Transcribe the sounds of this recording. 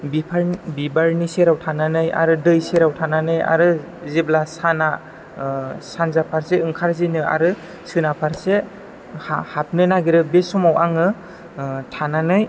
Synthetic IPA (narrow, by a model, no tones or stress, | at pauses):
bipʰabibaɾniseɾawtʰananɯja̰ɾɯdɯjseɾawtʰananɯja̰ɾɯ | ziblasana | sanzapʰaɾseɯŋkʰaɾzinɯa̰ɾɯ | sɯnapʰaɾse | hahap̚nɯnaɡiɾɯbesɔmawaŋɯ | tʰananɯj